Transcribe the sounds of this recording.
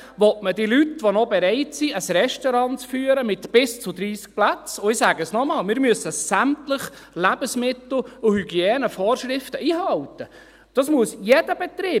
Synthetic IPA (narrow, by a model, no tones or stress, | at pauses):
ʋɔtmədilytʋonɔbɛɾɛɪtsiəsrɛʃtɔɾɑnt͡sfyːəɾəmɪt̪b̥ɪst͡sʊd̪ɾiːsk̚plæt͡sʊɪsæːɡəsnɔmɑːlmɪːɾmyəsəsæmtləχlæb̥əsmɪt̪l̩ˠʊhyɡjɛːnəfɔːrʃɾɪftəʔiːɦɑlt̪ə | d̥ɑsmuəsjɛd̥əb̥ɛt̪ɾiː